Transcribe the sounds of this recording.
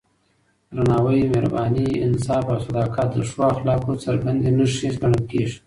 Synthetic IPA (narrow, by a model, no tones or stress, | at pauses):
ɾanɑwəjmeɾa̰bɑniɪnsɑfawsad̪ɑkɑt̪̚d̪əʂwoaxlɑkot͡səɾɡand̪enəʂizɡaɳəlkeʐi